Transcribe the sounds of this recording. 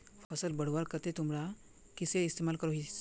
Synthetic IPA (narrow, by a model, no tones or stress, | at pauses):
fʰəsəlbəɽwaɾkɐt̪et̪ʊmɾa | kɪseɪst̪eːmaːlkəɾoɦi